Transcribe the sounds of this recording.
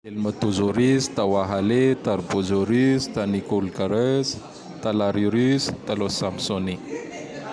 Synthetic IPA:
elimat̪uzuɾizi̥t̪awaɦalet̪aɾbozoɾyst̪anikolkaɾesi̥ | t̪alaɾiɾyst̪alosampsoni

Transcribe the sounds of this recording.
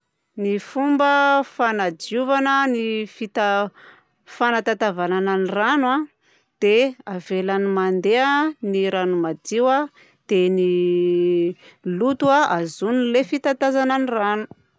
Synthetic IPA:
nifumbəfanad͡ʒiuvanənifit̪a | fanat̪at̪avanananirana | d̪̥eavelanimand̪eaniɾanumad̪iwa | d̪̥eni | lut̪uaazunilefit̪at̪azananiranu̥

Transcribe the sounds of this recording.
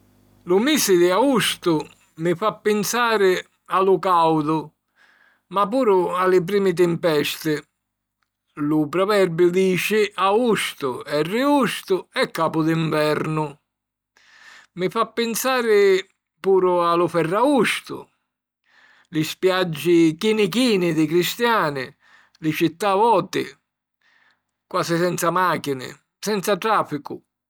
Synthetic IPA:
lʊmisɪd̪ɪaust̪ʊ | mɪfapːɪnsaːɾɪ | alʊkawd̪ʊ | mapːuːɾʊalɪp̬ɾiːmɪt̪̬ɪmpɛst̪ɪ | lʊpɾɔvɛɾbjʊd̪iːt͡ʃɪaust̪ʊɛrːɪust̪ʊɛkːaːpʊd̪iɱvɛɾnʊ | mɪfapːɪnsaːɾɪ | puːɾʊalʊfɛrːaust̪ʊ̰ | lɪspjad͡ʒːɪkinɪk̬iːnɪd̪ɪkɾist̪jaːnɪ | lɪt͡ʃit̪ːavɔːt̪ɪ̰ | kwaːsɪsɛnt̪samaːkinɪ̰ | sɛnt̪sat̪ɾaːfikʊ

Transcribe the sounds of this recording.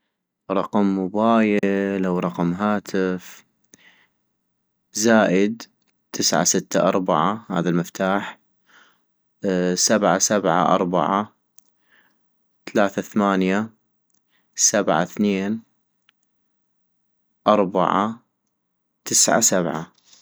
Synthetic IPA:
ɾˤɑqmːʊbaːjɪlʔawɾˤɑqmɦaːt̪ʰɪf | zaːʔɪd̪ | t̪ʰɪsʕa̰sɪt̪ːaʔɑ̰ɾˤbaʕaha̰ːðalmɪft̪aːħ | sabʕasabʕa̰ʔɑ̰ɾˤba̰ʕa | t̪alaːθaθamaːnja | sabʕa̰θneːn | ʔɑɾˤba̰ʕa | t̪ɪsʕa̰sabʕa̰

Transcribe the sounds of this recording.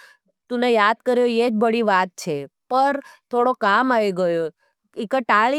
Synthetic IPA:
t̪ũnejad̪kəɾjoed͡ʒbəɽiʋat̪̚t͡ʃʰepəɾt̪ʰoɽokamaʋiɡəjo | ikəʈaɭi

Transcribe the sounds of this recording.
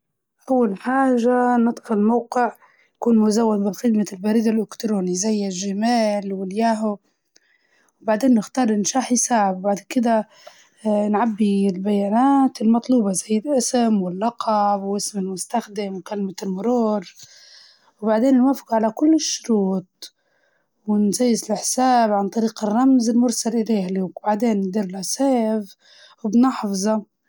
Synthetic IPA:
ʔawːalħaːʒanɨt̪ˤfʊllmawqɪʕ | jakuːnmʊzawːad̪̚bɪlxɪd̪malbaɾiːd̪alʔʊkt̪ɾoːnizajːɪlʒɪmaːlwɪljaːɦʊ | wbaʕd̪eːnːɪxt̪ɑːɾˤʔɪnʃaːħjsaːʕɪbbaʕd̪kɪd̪a | nʕabːilbajaːnaːt̪ɪlmɑt̪ˤluːbɑzajːɪd̪ʔɪsɪmwɪlːɑqɑbwʔɪsmɪlmʊst̪axd̪ɪmwkalmalmʊɾuːɾ | wbaʕd̪eːnnwaːfɪ̥qʕalakʊlːɪʃːʊɾuːt̪̚ˤ | wɪnzaːjːɪzɪlħsaːbʕant̪ˤɑɾiːqɪrˤːɑmzɪlmʊɾsalʔɪleːhliwbaʕd̪eːnːd̪iːɾlaseːv | wbnɑħfzˤɑ

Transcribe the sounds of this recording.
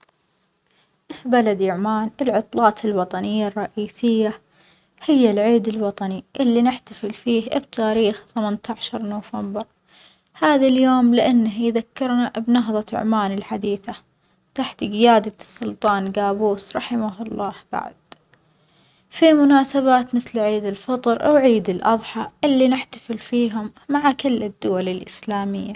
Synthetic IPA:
fibalad̪ʊʕmaːnɪlʕɑt̪ˤlɑːt̪ʰɪlwɑt̪ˤɑnɪjːarˤːɑʔiːsɪjːa | hɪjːalʕiːd̪ɪlwɑt̪ˤɑniʔɪlːinɪħt̪afɪlfiːhbt̪ʰaːɾiːxθamant̪aʕʃɑɾˤnoːfambɪɾ | haːðaljoːmlɪʔanːahjðakːɪɾnabnɑɦðˤɑ̰ʕmaːnɪlħad̪iːθa | t̪aħt̪ɡɪjaːd̪asːʊlt̪ˤɑːnɡaːbuːsɾˤɑħɪmaɦʊlˤːɑːhb̥a̰ʕd̪̥ | fimʊnaːsaβaːt̪mɪθlʕiːd̪ɪlfɑt̪ˤɾʔa̰wʕiːd̪ɪlʔɑðˤħɑʔɪlːinɪħt̪ḁfɪlfiːɦʊmːaʕakɪlːɪd̪ːʊwalɪlʔɪslaːmɪ̰jːa

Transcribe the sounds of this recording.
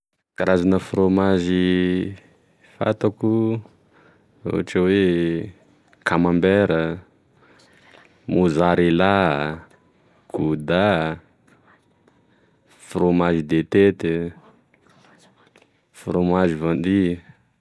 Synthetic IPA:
kaɾazanəfromaʒi | fa̰t̪aku | ɾo̰aʈ͡ʂəwe | kʰamambeɾə | muzaɾela | kud̪a | fromaʒid̪et̪et̪e | fɾomaʒivand̪i

